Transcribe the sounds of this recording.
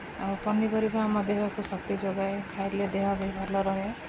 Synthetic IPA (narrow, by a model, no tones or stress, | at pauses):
apɔnːipʌɾibaamɔd̪eɦakusʌk̚t̪id͡ʒoɡajkʰajɾled̪eɦabʱɔjbʱɔɾlɔɾɔɦe